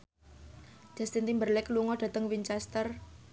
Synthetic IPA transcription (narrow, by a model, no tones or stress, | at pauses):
d͡ʒ̥a̤st̪int̪imbərlɛkluŋɔɖ̥ä̤t̪əŋwint͡ʃɛst̪ər